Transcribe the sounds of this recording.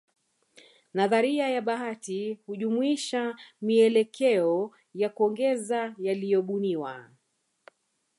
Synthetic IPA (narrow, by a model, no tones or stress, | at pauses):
naðaɾiajaɓaɦatihuʄumuiʃamiɛlɛkʰɛɔ | jakɔŋɡɛzajalijɔɓuniwa̰